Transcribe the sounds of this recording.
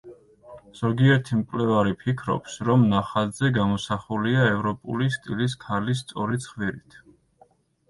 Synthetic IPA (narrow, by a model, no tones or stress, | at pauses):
z̥ɔɡiɛɾt̪ʰimkʼlɛvaɾipʰikʰɾɔ̰psɾɔmnaχad̪zɛɡamɔsaχuliaɛvɾɔpʼṵlist̪ʼilis̬kʰalis̬t̪sʼɔɾit̪sʰχviɾit̪ʰ